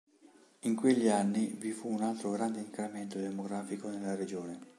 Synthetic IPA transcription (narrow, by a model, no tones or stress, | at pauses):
iŋkweʎːianːivifuːnalt̪ɾoɡɾand̪eiŋkɾament̪od̪emoɡɾaːfikonelːaɾed͡ʒoːne